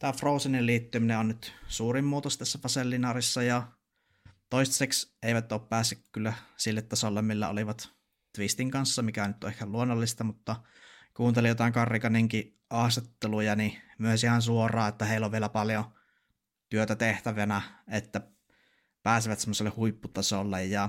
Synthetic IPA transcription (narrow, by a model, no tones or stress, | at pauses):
t̪æːfroˑusenilliːt̪ːymineonnyt̪suːrimːuːt̪ost̪æsːæpɑselːinɑːrisːɑjɑ | t̪oist̪sekseˑiʋæt̪ːoːppæːsːykkylːæsilːet̪ːɑsolːemmilːæ̰o̰liʋɑt̪ | t̪ʋist̪iŋkɑnsːɑmikæonyt̪ːoehkælluonːolːist̪ɑmut̪ːɑ | kuːnt̪elijot̪ɑˑiŋkɑrːikɑniŋki | ʔɑhset̪ːelujɑnimyøsihɑnsuorˑɑːet̪ːæheˑilːoʋʋielæpɑljo | t̪yøt̪æt̪eht̪æʋænæet̪ːæ | pæːsiʋæt̪semːoselːehuipːut̪ɑsolːejjɑ